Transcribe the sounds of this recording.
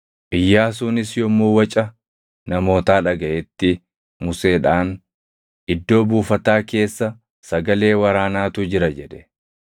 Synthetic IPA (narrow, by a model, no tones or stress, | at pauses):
bɪjːaːs̬uːnɪsjɔmːuːwɐt͡ʃʼɐ | nɐmo̞ːt̪aːᶑɐɡɐʔɛt̪ːɪ | mʊse̞ːᶑaːn | ɪd̪ːo̞ːbuːfɐt̪aːke̞ːsːɐ | sɐɡɐle̞ːwɐɾaːnaːt̪ʊd͡ʒɪɾɐd͡ʒɛᶑɛ̥